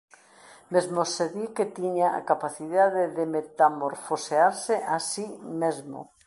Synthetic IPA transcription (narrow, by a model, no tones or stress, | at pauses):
mezmoseðiket̪iɲaʔa̰kapaθiðaðeðemet̪amoɾfoseaɾseʔasimezmo̰